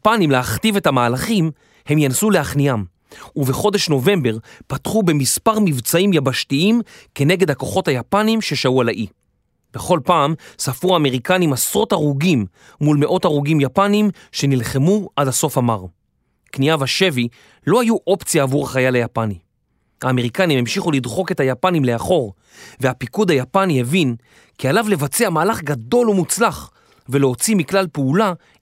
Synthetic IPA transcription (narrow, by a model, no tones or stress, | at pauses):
panimleaχtivethamaːlaχim | he̞mjansuleaχnijam | uveχo̞de̞ʃno̞ve̞mbe̞ʁpat̪χube̞mispaʁmivt͡saimjabaʃtiimke̞ne̞ɡe̞d̪hako̞χothajapanimʃe̞ʃaualaʔi | be̞χo̞lpaːmsafuaːme̞ʁikanimasʁo̞taʁuɡimː | ulmeʔo̞taʁuɡimjapanim | ʃe̞nilχemuʔadaso̞famaʁ | kniavaʃe̞vi | lo̞hajuʔo̞pt͡sjaːvuʁaχajalajapani | haːme̞ʁikanimemʃiχulidχo̞ke̞thajapanimle̞aχo̞ʁ | veapikud̪hajapanihevin | kialavle̞vat͡seamaːlaχɡado̞lumut͡slaχ | veleo̞t͡simiklalpeula